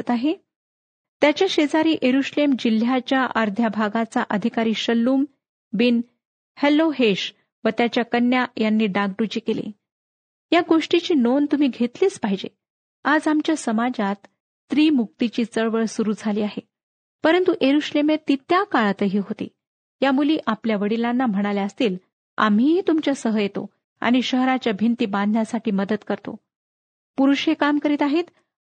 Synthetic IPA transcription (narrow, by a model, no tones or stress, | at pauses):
t̪aɦe | t̪jat͡ɕjaɕed͡zaɾiːʔeɾuɕlemd͡ʑil̤jat͡ɕjaʔəɾd̪ʱjabʱaɡat͡saʔəd̪ʱikaɾiːɕəlːuːm | bin | helːoɦeɕ | ʋət̪jat͡ɕjakənːjajanːiːɖaɡ̚ɖut͡ɕiːkelḛ | jaɡoʂʈit͡ɕiːnont̪um̤iːɡʱet̪liːt͡spaɦid͡ʑḛ | ad͡zamt͡ɕjasəmad͡ʑat̪ː | ɾiːmuk̚t̪it͡ɕiːt͡səɭʋəɭsuɾuːd͡zʱaliːaɦe | pəɾənt̪uʔeɾuɕlemet̪ːit̪jakaɭt̪əɦiːɦot̪ḭː | jamuliːʔapljaʋəɽilanːam̤əɽ̃aljaəst̪iːl | a̰mɦiɦit̪umt͡ɕjasəɦəjet̪o̰ | a̰ɽ̃iɕəɦɾat͡ɕjabʱint̪iːbãnd̪ʱnjasaʈʰiːməd̪əd̪kəɾt̪o̰ | puɾuɕɦekamkəɾiːt̪aɦet̪